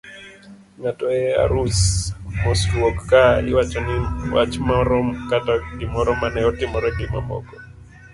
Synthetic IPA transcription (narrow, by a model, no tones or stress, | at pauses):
ŋatɔɛa̰ɾusmɔsɾuɔkkaḭwat͡ʃɔniwa̰t͡ʃmɔɾɔmkatadimɔɾɔmanɛɔtimɔɾɛdima̰mɔ̰kɔ